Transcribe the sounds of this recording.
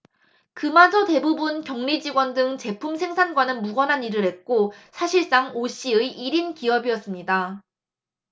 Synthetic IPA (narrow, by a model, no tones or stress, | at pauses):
kɯmad͡ʑʌte̞bubunkjʌŋnid͡ʑiɡwʌndɯŋt͡ɕe̞pʰumsʰe̞ŋsʰanɡwanɯnmuɡʌnɦaniɾɯɾɦet̚k͈osʰaɕʰiɭs͈aŋoɕ͈iɯiiɾinkiʌbiʌs͈ɯmɲida